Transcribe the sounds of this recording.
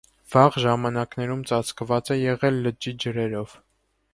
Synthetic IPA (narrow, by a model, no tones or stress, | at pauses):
v̥ɑʁʒɑmɑnɑknɛɾumt͡sɑt͡sʰkvɑt͡sɛjɛʁɛlːəd͡ʒid͡ʒəɾɛɾɔv̥